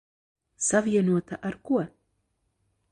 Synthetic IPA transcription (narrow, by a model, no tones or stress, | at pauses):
saviɛnuɔt̪aʔaɾkuɔ